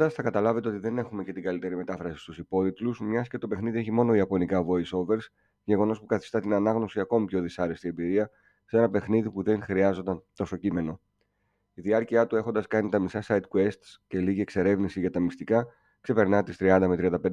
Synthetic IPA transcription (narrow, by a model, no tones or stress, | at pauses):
d̪ɐsθɐkɐt̪ɐlɐve̞t̪e̞o̞t̪iðe̞ne̞xume̞ce̞t̪iɡɐlit̪e̞ɾime̞t̪ɐfɾɐsi̥st̪usipo̞ðit̪lusmɲɐsce̞t̪o̞pe̞xniðie̞çimo̞no̞iɐpo̞nikɐvo̞iso̞ve̞ɾs | ʝe̞ɣo̞no̞spukɐθi̥st̪ɐt̪inɐnɐɣno̞siɐko̞mipço̞ðisɐɾe̞st̪iembiɾiɐ | se̞nɐpe̞xniðipuðe̞ŋxɾiɐzo̞nd̪ɐnt̪o̞so̞cime̞no̞ | iðiɐɾciɐt̪ue̞xond̪ɐskɐnit̪ɐmisɐsɐid̪̚kue̞st̪sce̞liʝie̞kse̞ɾe̞vnisiʝɐt̪ɐmist̪ikɐ | kse̞pe̞ɾnɐt̪ist̪ɾiɐnd̪ɐmet̪ɾiɐnd̪ɐped̪